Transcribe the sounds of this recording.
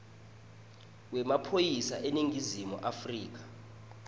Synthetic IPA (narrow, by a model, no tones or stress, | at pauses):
wɛmapʰojisaʔeniŋʱizimṵʔafriːk̬ḁ